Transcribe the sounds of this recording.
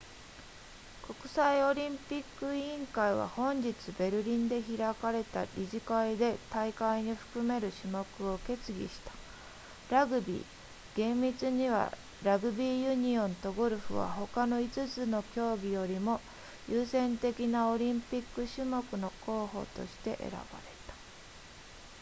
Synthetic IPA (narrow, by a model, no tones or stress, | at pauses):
ko̞kɯ̟̥saio̞ɾʲĩmpʲikːɯ̟ĩŋkaiβa̰hõ̞ɲ̟d͡ʑit͡sɨbe̞ɾɯ̟ɾʲĩnd̪e̞çiɾakaɾe̞t̪a̰ɾʲiʑikaid̪e̞t̪aikaiɲ̟iɸɯ̟̥kɯ̟me̞ɾɯ̟ɕɨmo̞kɯ̟o̞ke̞t͡sɨɡʲḭɕi̥t̪ḁ | ɾaɡɯ̟bʲḭː | ɡ̥ẽ̞mːʲit͡sɨɲ̟iβa̰ | ɾaɡɯ̟bʲiːjɯɲ̟iõ̞nt̪o̞ɡo̞ɾɯ̟ɸɯ̟̰βa̰ho̞kano̞it͡sɨt͡sɨno̞kʲo̞ːɡʲijo̞ɾʲimo̞ | jɯːsẽ̞nt̪e̞kʲinao̞ɾʲĩmpʲikːɯ̟ɕɨmo̞kɯ̟no̞ko̞ːɦo̞̰ːt̪o̞̰ɕi̥t̪e̞̰ʔḛɾa̰b̥a̰ɾe̞t̪ḁ